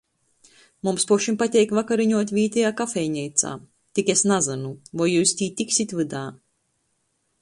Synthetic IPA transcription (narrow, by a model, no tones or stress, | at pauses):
mumspuʃimpat̪ʲɛjkvakaɾiɲuɔt̪ʲvʲiːt̪ʲɛjaːkafʲɛjɲʲɛjt̪sa̰ː | t̪ʲikesnazɨnuvajuːst̪ʲiːt̪ʲiksʲit̪ʲvɨd̪aː